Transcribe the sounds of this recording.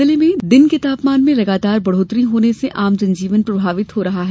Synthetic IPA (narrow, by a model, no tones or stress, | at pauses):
ɪlemẽd̪ɪnket̪aːpmaːnmẽlɐɡaːt̪aːɾbɐɽ̤oːt̪ɾiɦoːneseʔaːmd͡ʒɐ̃ɲd͡ʒiːʋənpɾɐbʱaːʋɪt̪ɦoɾɐɦaɦɛ